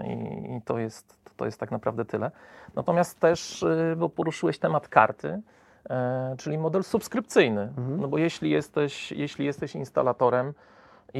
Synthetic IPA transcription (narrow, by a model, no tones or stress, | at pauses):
ḭit̪ɔjɛst̪ːɔjɛst̪ːaknapɾa̰vd̪ɛt̪ʰɘlɛnat̪ɔmʲjast̪ːɛʂbɔpɔɾuʂɘwɛɕt̪ɛmat̪ka̰ɾt̪ʰɘ | t͡ʂɘlʲimɔd̪ɛlsupskɾɘp̚t̪sɘjnɘnɔbɔjɛɕlʲijɛst̪ɛɕjɛɕlʲijɛst̪ɛɕinst̪a̰lat̪ɔɾɛm